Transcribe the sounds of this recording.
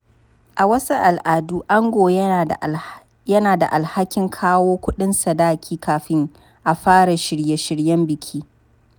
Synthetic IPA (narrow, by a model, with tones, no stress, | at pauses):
ʔa˨wɐ˦su˦ʔa˨lʔaː˨duː˦ʔa˦ŋɡʷoː˨j | jɐ˦naː˨da̰˨ʔa˨lha˦kʲɪ˦ŋkʰaː˦woː˦kʷʊ˦ɗɪ˦nsa˨daː˦kʲiː˦kaː˨ɸɪ˦ŋ | ʔa˨ɸaː˦ɽa˨ʃɪ˨ɽje˦ʃɪ˦ɽjɐ˦mbɪ˨kʲʰiː˦